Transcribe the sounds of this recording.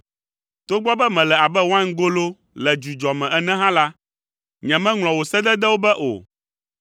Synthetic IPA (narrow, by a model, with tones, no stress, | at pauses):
t̪o˦ɡ͡bɔ˦bɛ˦mɛ̃˨lɛ˨a˨bɛ˦wã˦n˦ɡo˦lo˦ | lɛ˨d͡ʒu˨d͡ʒɔ˨mɛ̃˨ʔɛ˨nɛ̃˦ɦã˦la˦ | ɲɛ̃˨mɛ̃˦ŋlɔ̃˨wo˨sɛ˦d̪ɛ˦d̪ɛ˦wo˦bɛ˦ʔo̰˨